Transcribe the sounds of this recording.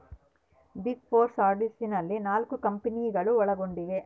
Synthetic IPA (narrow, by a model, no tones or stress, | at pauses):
biɡpʰoːɾsaːɾɖisinɐlːinaːlkukɐmpɐnijɡɐɭuɔɭɐɡoɳɖiɡe